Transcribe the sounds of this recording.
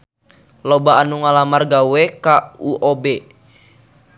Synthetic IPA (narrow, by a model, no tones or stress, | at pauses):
lɔbaːnuŋalamarɡawɛkauʔɔbɛ